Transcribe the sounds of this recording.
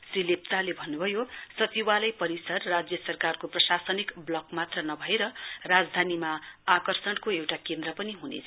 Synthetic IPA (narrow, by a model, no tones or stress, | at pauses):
srilep̚t͡salebʱʌnːubʱʌjosʌt͡siwalʌjpʌɾisʌrːad͡zjʌsʌrkarkoprʌsasʌnikblʌkmat̪rʌnʌbʱʌeɾʌrad͡zd̪ʱanimaakʌrsʌɽkoewʈakend̪rʌpʌniɦunḛt͡sʰ